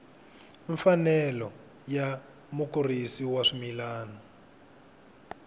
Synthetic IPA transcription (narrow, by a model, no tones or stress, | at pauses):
iɱfanɛlɔ | ja | mukurisiwaʂimilaːnɔ